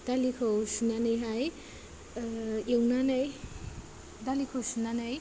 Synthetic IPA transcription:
d̥alikʰawsunanɯjɦaj | ewnanɯj | dalikʰowsunanɯj

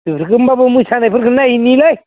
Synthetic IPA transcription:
tupʰɾkɯmbabɯmujsʰanajpʰɯɾkʰɯnːainilaj

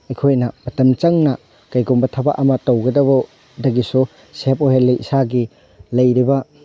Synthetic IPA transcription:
ɐjkʰojnɐb̥ɐtɐmt͡ʃɐŋnɐ | kɐjɡumbɐtʰɐba̰ʔɐmɐtɐwɡɐdɐbɐ | dɐɡisu | sepoɦelːijisaɡi | lɐjɾibɐ

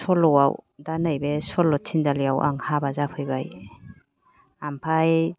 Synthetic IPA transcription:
sɔlɔwawdanajbesɔlɔtʰindalijawʔa̰ŋhabazapʰɯjbaj | ampʰaj

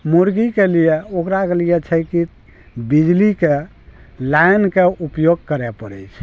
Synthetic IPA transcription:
muɾɡikelijeokɾakelijet͡ʃʰəjki | bid͡ʒlike | lajnkeupjoɡ̚kəɾɛpəɾə̰jt͡ʃʰ

